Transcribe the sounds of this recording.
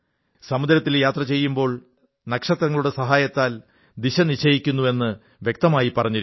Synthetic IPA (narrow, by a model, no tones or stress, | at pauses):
sɐmud̪ɐɾɐt̪ːiljaːt̪rɐt͡ɕe̞jːumbo̞ːɭ | nɐkʂɐt̪rɐŋːɐɭuɽe̞sɐɦaːjɐt̪ːaːl | d̪iɕɐniɕɐjikʲːunːue̞nːɨ | ʋje̞k̚t̪ɐmaːjipːɐrɐɲːiɾ